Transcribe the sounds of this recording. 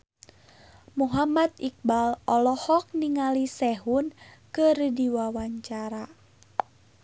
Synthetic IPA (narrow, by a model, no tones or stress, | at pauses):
muɦamat̪ik̚balɔlɔhɔk̚niŋalisɛɦunkɨrdiwawaɲt͡ʃaɾa